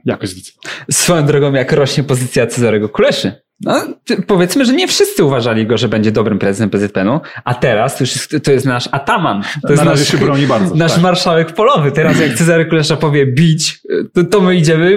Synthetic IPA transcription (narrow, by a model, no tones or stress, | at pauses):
jakɔɕʲisfɔjɔ̃w̃d̪ɾɔɡɔ̃w̃jakɾɔɕɲɛpɔzɘt̪sʲjat̪sɛzaɾɛɡɔkulɛʂɘ | nɔpɔvʲjɛt̪smɘʐɛɲɛfʂɨst̪sɨuvaʐalʲiɡɔʐɛbɛɲd͡ʑɛd̪ɔbɾɘmpɾɛzɨsɛmpɾɛzɛt̪̚pɛnuʔat̪ɛɾast̪ɔjuʂjst̪ɔjɛst̪naʂat̪amanɔjɛsaɔwɲibaɾznaʂmaɾʂawɛkpɔlɔvɘt̪ɛɾasjak̚t̪ɛzaɾɛkulɛʂapɔvʲjɛbʲit͡ɕt̪ɔmɘid͡ʑɛmɘ